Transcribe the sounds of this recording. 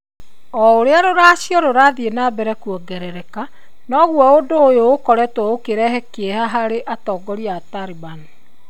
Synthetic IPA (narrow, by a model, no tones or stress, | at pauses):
ɔoɾeaɾoɾaɕjɔɾoɾaðienaːbɛɾɛkwɔɡɛɾɛɾɛka | nɔɣwɔodoːjoːkɔɾɛtwɔokeɾɛɦɛkeɛhaɦaɾeʔatɔːɡɔɾiataɾibani